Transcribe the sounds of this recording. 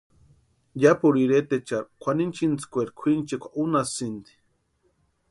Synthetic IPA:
japuɾiɾet̪et͡ʃaɾkʷʰanint͡ʃint͡skʷeɾkʷʰint͡ʃekʷʰaʔunasind̪i̥

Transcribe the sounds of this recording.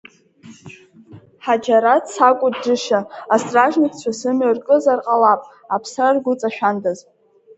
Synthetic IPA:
ħad͡ʒaɾatsakʷʼʊdd͡ʒɨʃaastʼraʒnikʰt͡ɕʷʰasɨmarkʼɨzarqʼalapʼ | apʰsrarɡʷʊt͡sʼaʃᶣandaz

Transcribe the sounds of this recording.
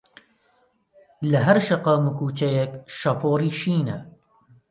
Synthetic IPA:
lɐɦɐɾʃɐqɑːmɨkuːt͡ʃɐjɛkʃɐpʰoːriːʃiːnɐ

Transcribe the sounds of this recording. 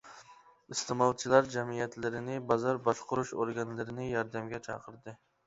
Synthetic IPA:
ist̪ɨmɑlˠt͡ʃʰilˠɑɾd͡ʒɛmijɛt̪lɪɾɪnɪbɑzɑɾbɑʃqʊɾuʃoɾɡɑnlˠɨɾɪnɪjɑɾd̪ɛmɡʲɛt͡ʃʰɑ̰qʰəɾd̪ɨ

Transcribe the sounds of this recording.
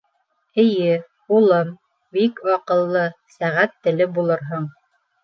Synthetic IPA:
ɘ̆jɘ | ulˠɤm | bikwɑqɤ̆lˠːɤsæʁæt̪ːɘ̆lɘbulˠɤɾɦɤɴ

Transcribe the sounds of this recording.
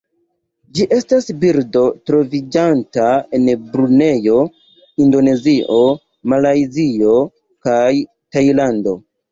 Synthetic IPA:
d͡ʒiʔe̞stasbiɾdo̞tɾo̞vid͡ʒantae̞nbɾune̞jo̞ | indo̞ne̞ziʔo̞ | malajzio̞ | kaj | tajlando̞

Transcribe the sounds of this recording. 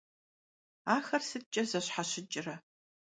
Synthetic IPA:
aːxɐrsɨt͡ʃʼɐzɐɕħaɕɪt͡ʃʼɪrɐ

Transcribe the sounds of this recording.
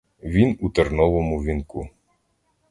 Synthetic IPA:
ʋʲinut̪eɾnɔʋɔmʊʋʲinkṵ

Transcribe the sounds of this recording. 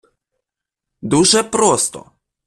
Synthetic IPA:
d̪uʒɛpɾost̪ɔ̰

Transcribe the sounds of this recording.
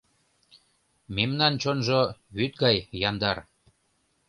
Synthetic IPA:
memnɑnt͡ɕonʒoβyt̪̚ɡɑjːɑnd̪ɑr

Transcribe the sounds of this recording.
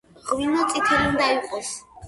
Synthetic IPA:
ʁwinat̪sʼit̪ʰɛlind̪aiqʼɔs

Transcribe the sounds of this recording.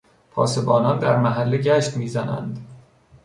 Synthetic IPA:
pʰɒ̰ːse̞bɒːnɒnd̪æɾmæɦælːeɟæʃt̪miːzænæ̰nd̪

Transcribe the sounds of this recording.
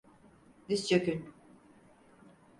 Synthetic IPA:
d̪ist͡ʃʰøkyn

